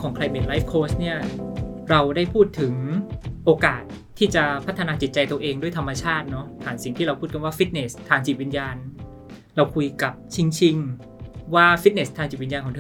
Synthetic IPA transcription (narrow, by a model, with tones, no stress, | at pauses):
ŋkʰɔː˩˦ŋkʰɾa˧jme˧nlaː˦˥f̚kʰoː˦˥st̪̚ni˥˩ɐ | ɾa˧wdaː˥˩jpʰuː˥˩t̪ʰːɯ˩˦ŋʔoː˧kaː˨˩t̪̚ʰːiː˥˩t͡ɕa˨˩pʰa˦˥t̪ʰːa˧naː˧t͡ɕi˨˩t̪̚t͡ɕa˧jt̪u˧ʔeː˧ŋdu˥˩əjt̪ʰa˧mːa˧t͡ɕʰaː˥˩t̪̚nɔ˦˥t̪ʰaː˨˩˦nsi˨˩ŋt̪ʰiː˥˩ɾa˧wpʰuː˥˩ka˧nwaː˥˩fi˦˥t̪̚ne˨˩st̪ʰːaː˧ŋt͡ɕi˨˩t̪̚wi˧njaː˧n | ɾa˧wkʰu˧jka˨˩p̚t͡ɕʰi˧ŋt͡ɕʰi˧ŋ | waː˥˩fi˦˥ne˨˩st̪ʰaː˧ŋt͡ɕi˨˩wi˧njaː˧nkʰɔː˩˦tʰ